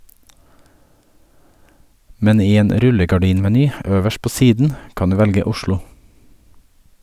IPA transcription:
ˈmɛn ˈiː ˈeːn ˈɾʉləɡɑˌɖiːnmɛˌnyː ˈøːʋəʃ ˈpoː ˈsiːdn̩ ˈkɑn ˈdʉː ˈʋɛlɡə ˈʊʃlʊ

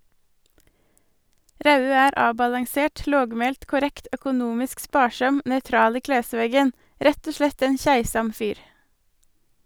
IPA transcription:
ˈɾɑʉøː ˈæːɾ ˈɑːbɑlɑŋˌseːʈ ˈloːɡˌmeːlt kʊˈɾɛkt œkʊˈnuːmɪsk ˈspɑːˌʃɑm nœʏˈtɾɑːl ˈiː ˈkleːˌsʋeːɡən ˈɾɛt ˈoː ˈʃlɛt ˈæɪn ˈçæɪsɑm ˈfyːɾ

